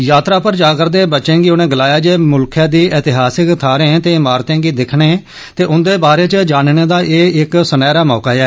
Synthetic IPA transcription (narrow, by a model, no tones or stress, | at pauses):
jaːt̪ɾaːpəɾd͡ʒaːkəɾd̪eːbətːʃẽːɡiːʊnẽːɡəlaːjaːd͡ʒeːmʊlkʰjãːd̪iːɛːt̪ɪɦaːsɪkt̪ʰaːɾẽːt̪eːɪmaːɾt̪ẽːɡiːd̪ɪkʰɳeː | t̪eːʔʊnd̪eːbaːɾeːt͡ʃəd͡ʒaːnneːd̪aːʔeːɪksənɛːɾaːmɔːkaːɛː